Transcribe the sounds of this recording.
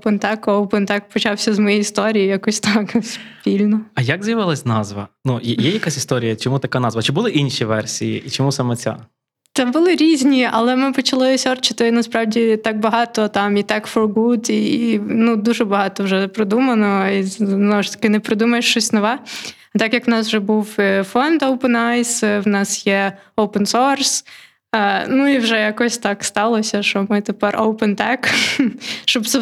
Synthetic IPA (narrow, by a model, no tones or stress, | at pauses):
pɪnt̪ɑkwpɪnt̪ɑkpɔt͡ʃɑwsʲɐzmɔjɛjist̪ɔɾʲijijɐkusʲt̪ɑkspʲilʲnɔɐjaɡzɐjɐʋɪlˠɐsʲnɑzʋɐ̰nujɛjɛjɐkasʲist̪ɔɾʲijɐt͡ʃɔmut̪ɐkanɑzʋɐt͡ʃɪbʊlˠɪʔinʃʲiʋɛ̰rsʲijḭʔit͡ʃɔmusamɛt͡sʲa̰ | t̪ɛbʊlˠɪɾʲizʲnʲiɐlˠɛmɪpɔt͡ʃɐlˠɪɔsʲɔrt͡ʃɪt̪ɪnɐspɾɑwdʲit̪ɑk̚bɐɦɑt̪ɔt̪ɑmit̪ɑkfɔrɡud̪inud̪uʒɛbɐɦɑt̪ɔwʒɛpɾɪd̪umɐnɔiznɔʋɔʃt̪ɐ̥kɪnɛpɾɪd̪umɐjeʃt͡ʃɔsʲnɔʋɛ | ɐt̪ɑkjɐkʋnɑs̬wʒɛbuwfɔnd̪owpɛnajswnɑsjɛowpɛnsɔrs | nuiwʒɛjakɔsʲt̪ɑkst̪ɑlˠɔsʲɐʃt͡ʃɔmɪt̪epɛrowpɛnt̪ɛk | ʃt͡ʃɔb̪sɛ